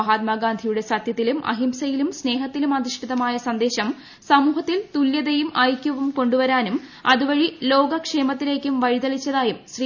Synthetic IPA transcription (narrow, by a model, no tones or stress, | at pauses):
ɦaːt̪̚maːɡaːnd̪ʱijuɽe̞sɐt̪jɐt̪ːilumʔɐ̰ɦimsɐjilumsne̞ːɦɐt̪ːilumɐd̪iʂʈʰiðɐmaːjɐsɐnd̪e̞ːɕɐm | sɐmuːɦɐt̪ːilt̪uljɐðɐjumɐjkʲːuʋumko̞ɳɖuʋɐɾaːnumɐðuʋɐɻilo̞ːɡɐkʂe̞ːmɐt̪ːile̞ːkʲːumʋɐɻid̪ɐɭit͡ɕːɐðaːjumɕri